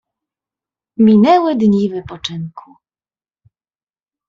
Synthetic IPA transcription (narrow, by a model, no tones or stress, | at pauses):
mʲinɛwɘd̪ɲivɘpɔt͡ʂɘŋkʰu̥